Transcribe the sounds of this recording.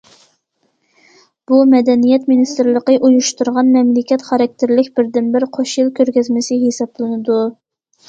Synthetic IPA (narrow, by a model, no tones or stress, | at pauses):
b̥umɛd̪ɛnijɛt̪minist̪ɪɾlˠəqəʔujuʃt̪uɾʁɑnmɛmlɪkʲɛt̪χɑɾɑk̚ʲt̪ʰɪɾlɪkʲbɪɾd̪ɪnbɪɾqʰoʃjilˠkʲʰøɾɡʲɛzmɪsɪɦesɑblˠɨnɨd̪u